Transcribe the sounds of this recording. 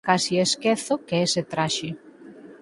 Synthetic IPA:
kasieskeθokeeset̪ɾaʃe

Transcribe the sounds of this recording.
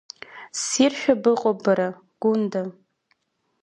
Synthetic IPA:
sirʃᶣabɨqʼobaɾa | ɡ̥ʷʊnda

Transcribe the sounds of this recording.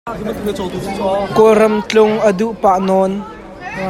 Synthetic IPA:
kɔɾɐmt͡ɬʊŋʔəduʔpaʔnɔn

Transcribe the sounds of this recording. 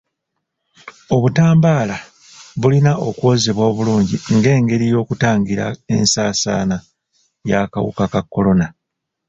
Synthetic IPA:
o̞βutaːmbaːla | βulinaʔo̞kuo̞zeβwoːβuluːɲɟḭŋɡe̞ːŋɡe̞ɾijo̞ːkutaːŋɡiɾa̰e̞̰nsaːsa̰ːna | jaka̰wṵkakakːo̞lo̞na

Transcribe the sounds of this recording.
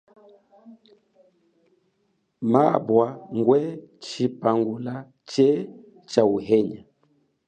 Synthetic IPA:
ma̰bwaŋɡwɛt͡ʃipaŋɡula | t͡ʃɛ | t͡ʃauɦɛɲa

